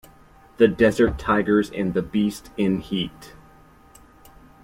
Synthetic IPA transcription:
ðɨdɛzə˞tʰaɪɡə˞zɨ̰̃nðɨbistɪ̃nhit

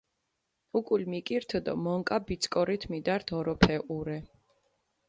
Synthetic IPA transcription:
ukʼulmikʼiɾt̪ʰɔd̪ɔ̰mɔŋkʼabit̪sʰkʼɔɾit̪ʰmid̪aɾt̪ʰɔɾɔpʰɛʔuɾɛ

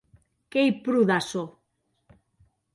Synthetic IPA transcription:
kejpɾuðaso

